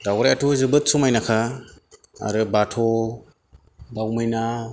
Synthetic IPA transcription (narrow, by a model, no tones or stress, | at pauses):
dawɾajatʰuzɯbɯt̚sumajnakʰa | a̰ɾɯbatʰɔ | bawmɯjna